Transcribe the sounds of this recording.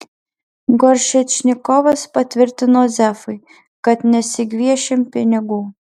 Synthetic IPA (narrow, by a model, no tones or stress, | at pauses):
ɡɔɾʲʃʲɛt͡ʃʲnʲɪkɔʋɐspɐt̪ʲʋʲɪɾʲt̪ʲɪnoːzʲæfɐɪ | kɐt̪nʲɛsʲɪɡʲʋʲiɛʃʲɪmpʲɪnʲɪɡuː